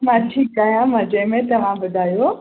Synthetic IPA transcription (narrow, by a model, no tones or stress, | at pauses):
mãʈʰiːkaːɦjãmɐ̃d͡ʑemẽt̪ɐʋ̤ãbʊd̪ʱaːjoː